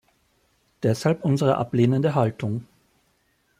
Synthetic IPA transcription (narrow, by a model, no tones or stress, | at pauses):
d̥ɛshalpʔʊnzəʁə̰ʔa̰pleːnəndəɦaltʰʊŋ